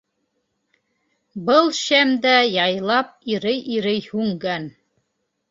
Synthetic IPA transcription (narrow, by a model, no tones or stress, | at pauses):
bɤlˠɕæmd̪æjɑjlˠɑp̚iɾɘjʔiɾɘjhʉŋɡæn